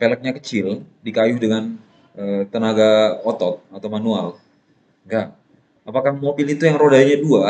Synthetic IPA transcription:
pelək̚ɲakət͡ʃɪldikajʊhdəŋan | ət̪ənaɡaɔt̪ɔt̪̚at̪awmanual | ŋɡaʔ | apakahmobɪlit̪ujaŋrodajaɲadua

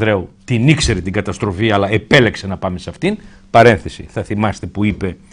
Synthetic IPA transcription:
ðɾeut̪inikse̞ɾet̪iŋɡɐt̪ɐst̪ɾo̞fiɐlɐe̞pe̞le̞ksenɐpɐme̞sɐft̪in | pɐɾe̞nθesḭθɐθimɐst̪e̞puipe̞

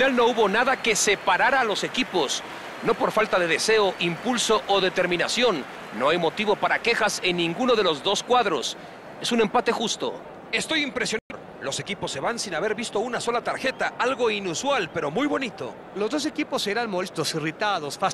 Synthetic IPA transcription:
nalno̞uβo̞naðake̞se̞paɾaɾalo̞se̞kipo̞s | no̞poɾfalt̪aðe̞ðe̞se̞oʔimpulso̞ʔoðe̞t̪e̞ɾmĩnasjo̞nː | o̞ajmo̞t̪iβo̞paɾake̞xase̞nːĩŋɡuno̞ðe̞lo̞zðo̞skwaðɾo̞̰s | e̞sune̞mpat̪e̞xust̪o̞̰ | e̞st̪ojimpɾe̞sjo̞no | lo̞se̞kipo̞sːe̞βansinaβe̞ɾβist̪o̞unaso̞lat̪aɾxe̞t̪aalɣo̞inuswalpe̞ɾo̞mujβo̞nit̪o̞̰ | lo̞zðo̞s̬e̞kipo̞seɾanmo̞lest̪osirit̪aðo̞sfas

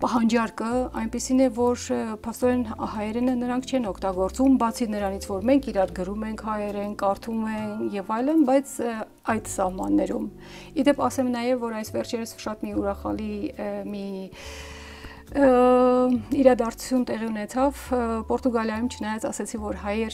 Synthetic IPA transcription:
pɑɦɑnd͡ʒɑɾkəɑjnpisinɛvɔɾpʰɑst̪ɔɾɛnhɑjɛɾɛnənəɾɑŋkʰt͡ʃʰɛnɔkʰt̪ɑɡɔɾt͡sumbɑt͡sʰinəɾɑnit͡sʰvɔɾmɛŋkʰiɾɑɾɡəɾumɛŋkʰhɑjɛɾɛnkɑɾt̪ʰumɛnjɛvɑjlənbɑjt͡sʰ | ɑjd̪sɑhmɑ̰nːɛɾum | id̪ɛpʰɑsɛmnɑjɛvːɔɾɑjsvɛɾt͡ʃʰɛɾəsʃɑt̪miuɾɑχɑ̰limi | iɾɑd̪ɑɾt͡sʰu̥t͡sʰjunt̪ɛʁiunɛt͡sʰɑvpɔɾt̪uɡɑljɑjumt͡ʃʰənɑjɑt͡sɑ̰sɛt͡sʰivɔɾɦɑjɛɾ

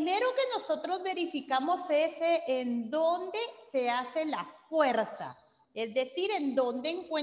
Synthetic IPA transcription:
me̞ɾoke̞no̞so̞t̪ɾo̞zβe̞ɾifikamo̞seseʔend̪o̞nd̪e̞se̞ase̞lafwe̞ɾsa̰ | ezd̪e̞siɾe̞nd̪o̞nd̪eːŋkwe

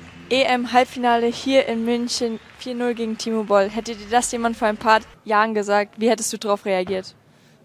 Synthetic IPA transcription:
ʔeʔɛmɦalpfinaːləhiːɐʔɪnmʏnçənfiːɐnʊlɡeːɡŋ̩tʰiːmobɔlɦɛtədiːɐdasjeːman̩foːɐaɪnpʰaːɐjaːʁənɡəzaːk̚tv̥iːhɛtəstd̥uːdaʁaʊfʁeaɡiːɐt

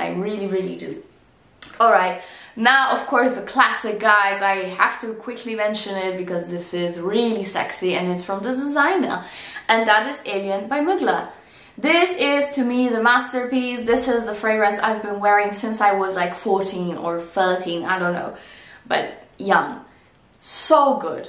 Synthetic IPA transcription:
ʔa̰ɪɹɪlˠiɹɪlˠḭdɨ̰ | ɔlˠɹaɪt̚naʊʔʌv̥kʰɔɹsðəkʰl̥æsɨk̚ɡ̥aɪzaɪhæftɨkʰw̥ɪkʰlimɛ̃nʃɨ̃nɪt̚b̥ɨkʌzðɪsɪzɹilˠisɛ̰ksiɨ̃nɨtsfɹʌ̃mðədəzãɪ̃nə̰˞ɨ̃nðəɾɨzeɪlˠiɨ̃nbaɪmɪɡlə̰ | ðɪsɪz̥tʰɨmiðɨmæstə˞pisðɪsɪzðəfɹeɪɡɹɛ̃nsa̰ɪvbɨ̃nwɛɹɪ̃ŋsɪ̃nsaɪwʌzlaɪkfɔɹtʰĩnə˞θɜ˞tʰĩna̰ɪɾõʊ̃nːo̰ʊb̥ʌ̰t̚jʌ̃ŋ | soʊɡʊ̰d̥

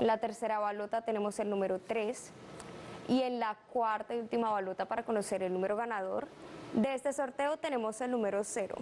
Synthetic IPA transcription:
enlat̪e̞ɾse̞ɾaβalo̞t̪at̪e̞ne̞mo̞se̞lnume̞ɾo̞t̪ɾe̞s | ie̞nlakwaɾt̪aiult̪imaβalo̞t̪apaɾako̞no̞se̞ɾe̞lnume̞ɾo̞ɣanað̞o̞̰ɾd̪e̞est̪e̞so̞ɾt̪e̞o̞t̪e̞ne̞mo̞se̞lnume̞ɾo̞se̞ɾo̰

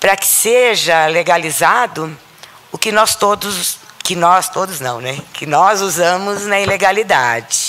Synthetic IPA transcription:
pɾɐkɪ̥seʒɐleɡalizad̪ʊ | ʊkɪnɔst̪od̪ʊskɪnɔst̪od̪ʊznɐ̰̃w̃nɛkɪnɔzuzɐ̃mʊznɐileɡalid̪a̰d͡ʒɪ

